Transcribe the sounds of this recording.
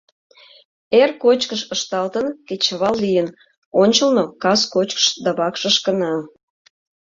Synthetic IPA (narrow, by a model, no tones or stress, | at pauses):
erkot͡ɕkəʃəʃt̪ɑlt̪ənket͡ɕəβɑllijən | onʲt͡ɕəlnokɑskot͡ɕkə̥ʃd̪ɑβɑkʃə̆ʃkənɑ